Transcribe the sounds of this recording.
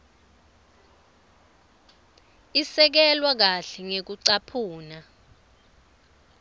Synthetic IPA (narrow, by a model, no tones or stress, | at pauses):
isɛk̬ɛlwak̬aɬɛŋek̬uǀapʰuːna